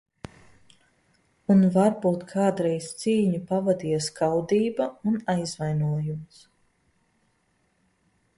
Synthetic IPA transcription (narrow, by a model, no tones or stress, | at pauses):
unvaɾbuːt̪kʰaːd̪ɾɛjst̪siːɲupavad̪iɛskawd̪iːbaunajzvajnuɔjums